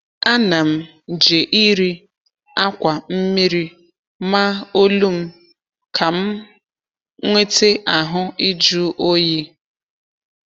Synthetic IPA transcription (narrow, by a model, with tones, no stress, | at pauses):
a˦na˨m̩˦˨ | d͡ʒe˨ʔi˦ɾi˦ | a˦kʷa˨m̩˦mi˦ɾi˦ | ma˦o˦lu˦m̩˦ | kʰa˨m̩˦ | ŋʷe˦te˦ʔa˨ɦʊ˦i˦d͡ʒu˦ʔo˦je˦